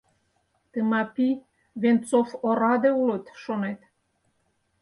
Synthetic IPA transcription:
t̪əmɑpi | βent͡sofoɾɑd̪eulət̪ʃonet̪

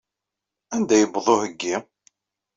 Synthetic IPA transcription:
ænd̪æjəbðˤohəɡːi

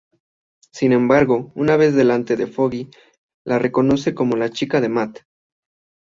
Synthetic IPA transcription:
sinẽ̞mbaɾɣo̞unaβe̞zðe̞lant̪e̞ðe̞fo̞ɣi | lʔare̞ko̞no̞se̞ko̞mo̞lat͡ʃikaðe̞mat̪

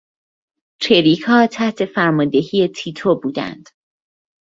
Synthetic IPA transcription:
t͡ʃʰeɾiːkʰɒːt̪ʰæht̪ʰe̞fæɾmɒnd̪e̞ɦiːe̞t̪ʰiːt̪ʰobuːd̪æ̰nd̪̥

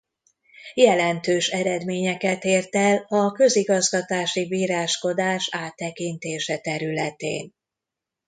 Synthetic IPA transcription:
jɛlɛnt̪øːʃɛɾɛd̪meːɲɛkɛt̪eːrt̪ɛlɒkø̞ziɡɒzɡɒt̪aːʃibiːɾaːʃko̞d̪aːʃaːt̪ːɛkint̪eːʃɛt̪ɛɾylɛt̪ḛːn

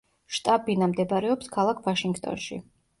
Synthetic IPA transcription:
ʃt̪ʼabinamd̪ɛbaɾɛɔpskʰalˠakʰvaʃiŋɡt̪ʼɔ̰nʃḭ

